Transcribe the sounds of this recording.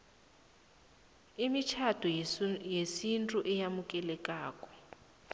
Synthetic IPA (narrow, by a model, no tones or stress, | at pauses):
imit͡ʃʰad̥ʱujesintʼuʔɛjamukʼɛlɛkʼaːkʼɔ̥